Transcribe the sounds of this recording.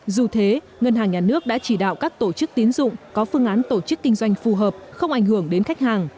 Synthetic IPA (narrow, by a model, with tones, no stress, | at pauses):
zu˨˩t̪ʰe˨˦ | ŋə˧nɦaː˨˩ŋɲaː˨˩nɨ˦˥ək̚ɗa̰ː˧˥t͡ɕi˧˩ɗa̰ː˧˨wkaː˦˥k̚t̪o˧˩t͡ɕɨ˦˥k̚t̪i˨˦ənzʊ̰˧˨ŋ͡mkɔ˨˦fɨ˧əŋʔaː˨˦nt̪o˧˩t͡ɕɨ˦˥kːï˧ŋ̟zwa˧jŋ̟fu˨˩ɦəː˨˩p̚xə˧wŋ͡mʔa˧˩jŋ̟ɦɨ˧˩əŋɗe˨˦nxa˦˥jk̟̚haː˨˩ŋ